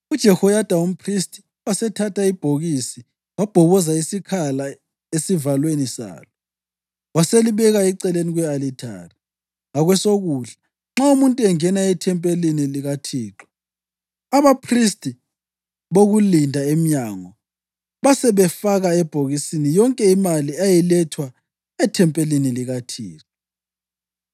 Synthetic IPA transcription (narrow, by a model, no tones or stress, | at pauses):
ud̥ʒ̥ʱɛhɔjad̥ʱaum̩pʰristʼi̥ | wasɛtʰatʰaib̥ʱoɣisi | wab̥ʱɔβɔzaisikʰala | esivalwenisa̰ːlɔ | waseliβɛɣaiǀɛleniɣwɛalitʰa̰ːri | ŋaɣwɛsoɣuːɮa | ŋ͡ǁaumuntʼuɛŋɛnaɛtʰɛmpʼeliniliɣatʰiːǁɔ̥ | aβapʰristʼi | βoɣulindʱaem̩ɲaːŋɔ | βasɛβɛfaɣaɛb̥ʱoɣisinijɔŋkʼɛimaliajilɛtʰwa | ɛtʰɛmpʼeliniliɣatʰiːǁɔ